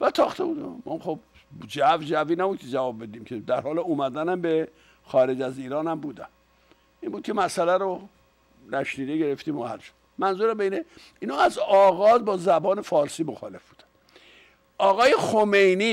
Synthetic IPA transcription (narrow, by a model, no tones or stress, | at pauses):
væt̪ʰɒːxt̪ʰebud̪æmɒ̰ːχob | d͡ʒævd͡ʒæviːnæbuːd̪̚kʰed͡ʒævɒːb̚ːed̪iːmcʰed̪æɾhɒːleumæd̪ænæmbe | xɒːɾed͡ʒæziːɾɒːnæmbuːd̪æn | ʔiːmbuːd̪̚kʰʲemæsælæɾo | ɾæʃniːd̪eɟe̞ɾeft̪iːmohæ̰lʃo̥d̪mænzuːɾæmbeine | iːnhɒːæzɒːɣɒːzbɒːzæbɒːnefɒːɾsiːmoxɒ̰ːle̞fb̥uːd̪æ̥n | ʔɒːɣɒːjexome̞jniː